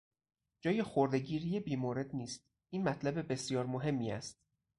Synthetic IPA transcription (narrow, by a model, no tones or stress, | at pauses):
d͡ʒɒːjexoɾd̪e̞ɡiːɾijebiːmoːɾe̞d̪niːst̪̚ | iːnmæt̪ʰlæbe̞be̞sijɒːɾmoɦe̞mːiːæ̰st̪̚